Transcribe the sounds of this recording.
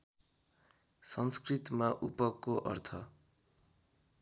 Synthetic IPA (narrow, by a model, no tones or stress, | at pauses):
sʌnskrit̪maʔupʌkːoʔʌ̰rt̪ʰʌ